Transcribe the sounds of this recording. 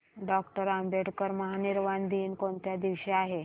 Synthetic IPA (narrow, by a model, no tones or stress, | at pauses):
ɖɔkʈəɾambʱeʈkəɾməɦaniɾʋand̪ʱiːnkoɳt̪jad̪iʋɕeaɦe